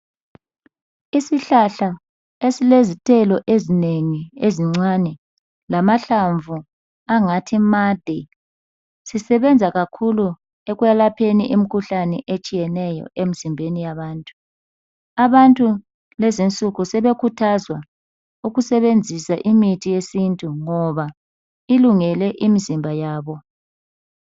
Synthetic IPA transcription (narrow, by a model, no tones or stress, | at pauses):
isiɬaɬa | esilezitʼɛlɔʔezineŋieziŋ͡ǀanɛ | lamaɬaɱvʱu | aŋatʰimad̥ʱɛ | sisɛβɛnd͡zʱaɣakʰulu | eɣujalapʰenḭʔim̩kʰuɬanɛʔet͡ʃʼijɛnɛjɔ̰ʔemizimbʱenijaβaːntʼu̥ | aβantʼu | lezint͡sʼuɣusɛβekʰutʰazwa | uɣusɛβend͡zʱisaʔimitʰijesintʼuŋɔβa | iluŋɛlɛʔimizimbʱajaːβɔ